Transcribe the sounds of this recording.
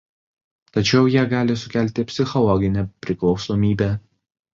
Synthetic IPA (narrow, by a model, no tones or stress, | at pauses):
t̪ɐt͡ʃʲɛʊjiɛɡɑːlʲɪsʊkʲæˑlʲt̪ʲɪpʲsʲɪxɔlˠɔɡʲɪnʲɛpʲɾʲɪklˠɒʊsoːmʲiːbʲeː